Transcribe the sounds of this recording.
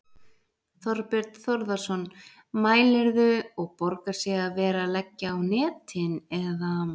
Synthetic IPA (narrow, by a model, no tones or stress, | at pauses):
θɔɾpɪɾt̪θɔɾðasɔn | maːjlɛɾðʏɔɣpɔɾkaɾ̥sɛːɣavɛːɾalɛcːaawnɛːt̪ʰɪnɛða